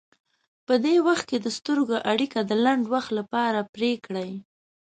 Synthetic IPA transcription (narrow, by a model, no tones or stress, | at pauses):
pəd̪ewaxt̪̚ked̪əst̪əɾɡoʔaɽikad̪əlaɳɖwaxt̪lapɑɾapɾekɽaj